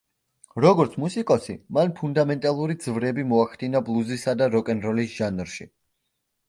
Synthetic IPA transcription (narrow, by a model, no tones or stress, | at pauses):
ɾɔɡɔɾt̪sʰmusikʼɔsimanpʰund̪amɛnt̪ʼalˠuɾid̪z̥vɾɛbimɔaχd̪inablˠuzisad̪aɾɔkʼɛnɾɔlisʒ̥anɾʃḭ